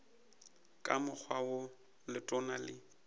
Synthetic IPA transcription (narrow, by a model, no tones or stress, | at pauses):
kʼamʊk͡xʰwawʊ | lɪtʼɔnalɪ